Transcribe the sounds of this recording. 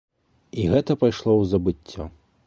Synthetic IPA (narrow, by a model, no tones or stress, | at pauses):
iɣɛt̪ɐpajʂlˠɔwzɐbɨt͡sʲːɔ